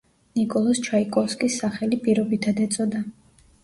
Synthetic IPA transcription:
nikʼɔlˠɔst͡ʃʰaikʼɔlskʼisːaχɛlipʼiɾɔbit̪ʰad̪ɛt̪sʼɔd̪a

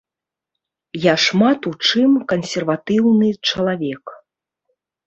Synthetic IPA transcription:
jaʂmat̪ut͡ʂɨmkɐnsʲɛrvat̪ɨwnɨt͡ʂɐlˠavʲɛk

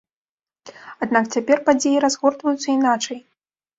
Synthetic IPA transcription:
ad̪nak̚t͡sʲapʲɛrpad͡zʲejiɾazɣɔrt̪vɐjut̪sːɐinat͡ʂɐj

